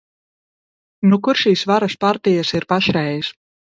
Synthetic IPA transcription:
nukuɾʃiːsvaɾaspaɾt̪ijasiɾpaʃɾɛjis

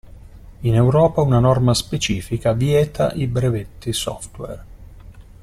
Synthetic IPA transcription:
inewɾɔːpaunanɔrmaspet͡ʃiːfikavjɛːt̪ʰa̰ʔibɾevet̪ːisɔ̰ft̪wɛ̰r

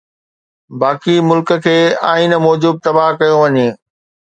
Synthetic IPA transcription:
baːkimʊlkə̆kʰeːaːin̆mɔːd͡ʑuːb̚t̪ɐbaɦkɐjõʋɐɲeː

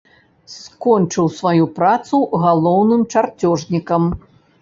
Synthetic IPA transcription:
skɔnt͡ʂɨwsvajupɾat̪suɣalˠɔwnɨmt͡ʂart͡sʲɔʐnʲikɐm

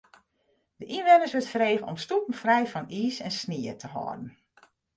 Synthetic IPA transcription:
d̥əʔinʋɛnəsʋɪtfəɾeːɣənɔ̰mstupən̩frɛjfɔniːsɛnsniətʰəɦɔ̰ːdən̩

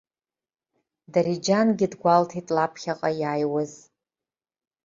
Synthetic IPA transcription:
daɾid͡ʒanɡʲɪdɡʷaltʰitʼlapʰχʲaqʼajajwaz

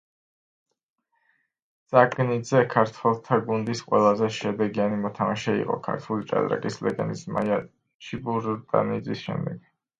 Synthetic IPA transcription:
d̪z̥aɡnid̪zɛkʰaɾt̪ʰwɛlˠt̪ʰaɡund̪isqʼwɛlˠazɛʃɛd̪ɛɡianimɔt̪ʰamaʃɛḭqʼɔ̰kʰa̰ɾt̪ʰulit͡ʃʼa̰d̪ɾa̰kʼislɛɡɛnisma̰ja | t͡ʃʰibuɾt̪ʼa̰nid̪zisʃɛ̰md̪ɛɡ̥

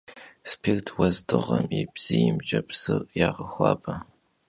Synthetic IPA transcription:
spʰirtʰwɐzdɨʁɐmibz̥ijɪmt͡ʃʼɐpʰsɨrjaːʁəxʷɑ̰ːbɐ

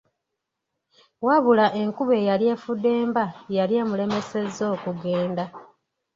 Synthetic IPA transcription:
waβulaʔe̞ŋkuβe̞jalje̞ːfudːe̞ːmbajaljeːmule̞me̞se̞zo̞ːkuɡe̞ːnda

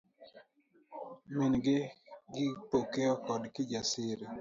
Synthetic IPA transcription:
minɡɪɡɪpokeɔkɔdkɪd͡ʒasɪɾe

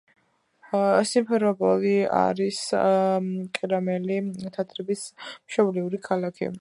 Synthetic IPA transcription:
simpʰɛɾɔbɔlia̰ɾis | kʼiɾamɛlit̪ʰat̪ʰɾɛbismʃɔbliuɾikʰalakʰḭ

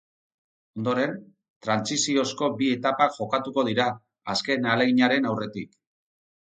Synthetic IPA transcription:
o̞nd̪o̞ɾe̞n | t̪ɾansisio̞sko̞bie̞t̪apaʝo̞kat̪uko̞ð̞iɾaː | ske̞naleɣiɲaɾe̞nawre̞t̪ik

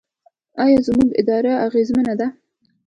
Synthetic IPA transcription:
ɑjɑzmuɡɪ̰d̪ɑɾaaɣezmənad̪a

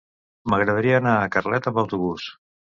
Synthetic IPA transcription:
məɣɾəðəɾiəːnaːkərlɛt̪əmbəwt̪uβus

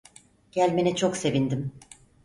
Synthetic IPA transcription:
ɟ̥ælʲmenɛt͡ʃʰokse̞vind̪im

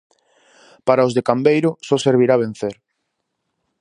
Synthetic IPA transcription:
paɾaozðekambejɾʊsɔseɾβ̞iɾaβ̞en̟θeɾ

